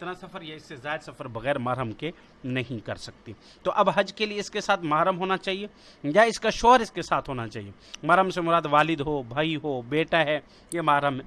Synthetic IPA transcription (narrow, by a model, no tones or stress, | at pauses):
ɪt̪nasɐfəɾjɐɪsːezaːɪd̪sɐfəɾbɐɣɛːɾmaːɾəmke | nɐɦĩkɐɾsɐk̚t̪i | t̪oʔɐbɦɐd͡ʒkelieɪskesaːt̪ʰmɐɦaɾəmɦoːnat͡ʃaːɦie | jaɪskaʃoːɾɪskesaːt̪ʰɦoːnat͡ʃaːɦḭe | maːɾəmsemʊɾaːd̪ʋaːlɪd̪ɦoːbʱaːiɦoːbeːʈaɦɛː | jemɐaːɾəmɦɛː